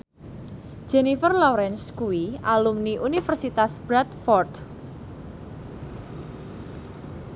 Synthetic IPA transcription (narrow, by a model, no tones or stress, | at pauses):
d͡ʒ̥ɛnifərlɔɾɛnskuwiʔalumniʔunifərsit̪asb̥ɾat̪fɔrd̪